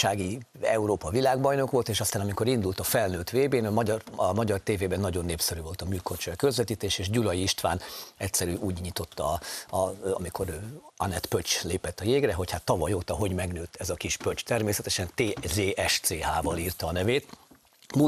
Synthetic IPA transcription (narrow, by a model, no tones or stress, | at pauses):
aːɡi | ɛ̰uɾoːpɒvilaːɡbɒjno̞kʋo̞lt̪eːʃɒst̪aːnɒmiko̞ɾind̪ult̪ɒfɛlnøːt̪ʋeːbeːnɒmɒɟɒrɒmɒɟɒrt̪eːveːbɛnːɒɟo̞nːeːpsɛɾyːvo̞lt̪ɒmyːlko̞rt͡ʃɒjkø̞zʋɛt̪iːt̪eːʃeːʒɟulɒjiiʃt̪ʋa̰ːnɛcsɛɾyːʔuːɟɲit̪o̞t̪ːɒ | ɒ̰miko̞ɾɒ̰nɛt̪pøt͡ʃleːpɛt̪ːɒjeːɡrɛɦo̞chat̪ːɒvɒjoːt̪ɒɦo̞ɟmɛɡnøːt̪ːɛzɒkiʃpøt͡ʃt̪ɛrmeːsɛt̪ɛʃɛnt̪eːzeːʔɛʃt̪seːɦaːvɒliːrt̪ɒːnɛveːt̪ | mu